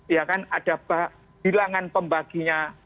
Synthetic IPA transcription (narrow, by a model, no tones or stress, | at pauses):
jakanad̥a̤ba | bilaŋanpəmbaɡ̥iɲa